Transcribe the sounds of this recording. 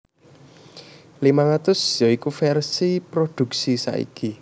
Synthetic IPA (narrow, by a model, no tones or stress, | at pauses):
limaŋat̪ʊsjɔikufɛrsipɾod̪̥ṳk̚sisa̰ʔḭki